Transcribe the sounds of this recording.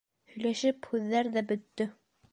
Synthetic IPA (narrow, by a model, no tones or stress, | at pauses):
hɵ̆jlæʃɘphʉðːæɾðæbɵ̆t̪ːɵ